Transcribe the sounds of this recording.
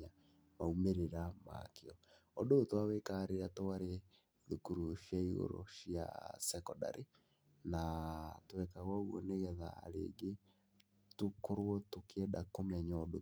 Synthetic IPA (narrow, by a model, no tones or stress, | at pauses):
a | maumeɾeɾama̰keɔ | ɔdotwawekaɾeɾatowaɾe | ðukuɾuʃjaiɣo̰ɾɔ̰ʃja̰sɛkɔda̰ɾe | natowɛkaɣwauɣɔ̰neɣɛða̰ːɾḛːɡe | tokoɾwɔtokʰeɛdakomɛɲaɔdo